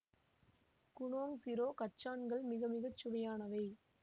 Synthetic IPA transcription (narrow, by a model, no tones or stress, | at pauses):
kʊɳoːŋsɪɾoːkɐʈt͡ʃːaːɳɡɐɭmɪɣɐmɪɣɐt͡ʃːʊʋɐjaːnɐʋɐɪ